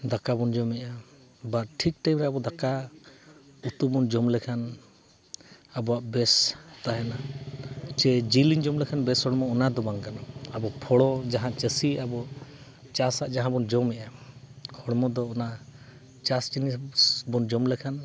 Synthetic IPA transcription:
d̪akabɔnd͡ʒɔmɛʔa | baɾʈʰik̚ʈajmɾɛabɔd̪aka | ut̪ubɔnd͡ʒɔmlɛkʰan | abɔaʔbɛst̪aɦɛna | t͡ʃɛd͡ʒiliɲd͡ʒɔmlɛkʰanbɛshɔɽmɔːnad̪ɔbaŋkanaabɔpʰɔɽɔd͡ʒaɦãt͡ʃəsiabɔ | t͡ʃasaʔd͡ʒaɦãbɔnd͡ʒɔmɛʔahɔɽmɔd̪ɔːna | t͡ʃast͡ʃinibɔnd͡ʒɔmlɛkʰan

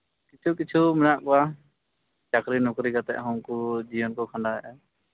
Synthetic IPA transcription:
kit͡ʃʰukit͡ʃʰumɛnaʔkɔa | t͡ʃakɾinɔkɾikat̪ɛ̰ʔɦɔŋkud͡ʒiwɔnkɔkʰãɳɖaɦɛʔɛ

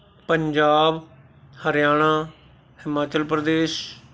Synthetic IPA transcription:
pəɲd͡ʒaːb | həɾjaːɽ̃ãː | hɪmaːt͡ʃəlpɾəd̪eːʃ

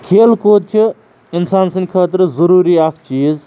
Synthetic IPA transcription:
kʰelkot̪̚t͡ʃʰi | insansɐnkʰəːt̪ɾɐzəɾuːɾiakʰt͡ʃiːz

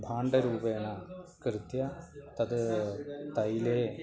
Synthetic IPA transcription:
bʱaːɳɖɐɾuːbɐjnakrɨt̪jɐt̪ɐd̪ɨt̪ɐjileː

